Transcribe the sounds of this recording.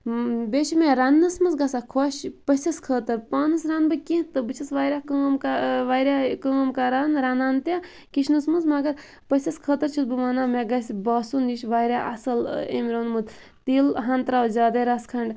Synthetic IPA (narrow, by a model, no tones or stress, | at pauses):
beʃimeɾanːɐsmɐsɡɐsakʰoʃpɐsʲɐskʰəːt̪ɐɾpaːnɨsɾanbɨkʲit̪ɨbɨt͡ʃʰɐsʋaːjɾʲakəːmkaʋaːjɾʲakəːmkaɾanɾanaːnt̪a | kit͡ʃʰnɨsmunzmɐɡɐɾ | pəsʲɐskʰəːt̪ɐɾt͡ʃʰut̪̚bɨmanameɡɐsʲbaːsunjiʃʋaːjɾʲaʔɐ̰sɐlḛmɾoːnmud̪ | t̪iːlɦɐnt̪ɾaːwzʲaːd̪ɐɾaskʰɐɳɖ